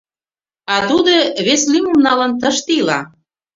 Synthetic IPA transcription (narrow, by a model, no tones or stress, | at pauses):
ɑt̪ud̪ɤβeslimumnɑlə̆nt̪ə̆ʃt̪ilɑ̰